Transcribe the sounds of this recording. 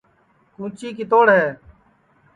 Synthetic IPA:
kũːt͡ʃiːkɪt̪oːɽɦɛː

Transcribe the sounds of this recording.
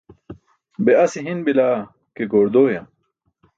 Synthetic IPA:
beɐsiɦinbilaː | keɡoːɾd̪oːjɐm

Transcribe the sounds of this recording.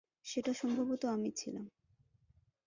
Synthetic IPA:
ʃeʈaʃɔmbʱabot̪oamit͡ɕʰilam

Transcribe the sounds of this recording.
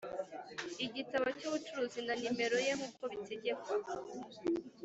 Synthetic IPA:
iɟitaβacuːβut͡ʃuɾuːzinanime̞ɾo̞je̞ŋuːko̞βite̞ɟe̞kwao

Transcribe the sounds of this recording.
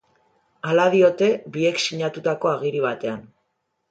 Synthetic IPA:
alaðio̞t̪e̞bie̞ksiɲat̪ut̪ako̞aɣ̞iɾiβ̞at̪e̞an

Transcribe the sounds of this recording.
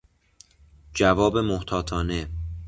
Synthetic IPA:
d͡ʒævɒːbe̞moht̪ʰɒːt̪ʰɒːne̞

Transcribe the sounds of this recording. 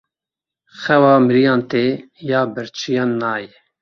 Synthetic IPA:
xɛwɑːmɨɾijɑ̃ːnt̪e | jɑːbɨɾt͡ʃʰijɑːnːɑːjɛ

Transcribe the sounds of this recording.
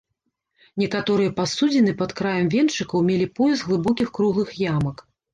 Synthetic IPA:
nʲɛkat̪ɔɾɨjɛpasud͡zʲɛnɨpɐt̪kɾajɐmvʲɛnt͡ʂɨkɐwmʲelʲipɔjɛzɣlˠɨbɔkʲixkɾuɣlˠɨxjamɐk

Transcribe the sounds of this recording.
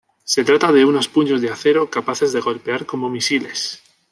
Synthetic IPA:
se̞t̪ɾat̪aðe̞uno̞spuɲo̞zðeaθe̞ɾo̞kapaθe̞zðeɣ̞o̞lpe̞aɾko̞mo̞misile̞s

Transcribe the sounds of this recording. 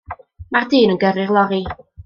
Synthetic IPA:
mardɨːnənɡɛɾɪrlˠɔɾi

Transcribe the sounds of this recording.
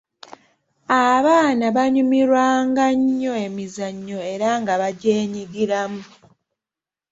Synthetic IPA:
aβaːnaβaɲumiɾwaːŋɡaɲːo̞e̞mizaɲːo̞e̞ɾaŋɡaβaɟeːɲiɡiɾamu

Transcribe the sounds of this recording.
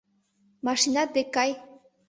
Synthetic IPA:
mɑʃinɑt̪̚d̪ekɑj

